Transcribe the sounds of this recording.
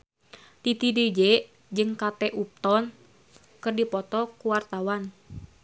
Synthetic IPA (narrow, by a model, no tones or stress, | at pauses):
t̪it̪idid͡ʒɛʔ | d͡ʒɨŋkat̪ɛʔup̚t̪ɔn | kɨrdipɔt̪ɔkuwart̪awan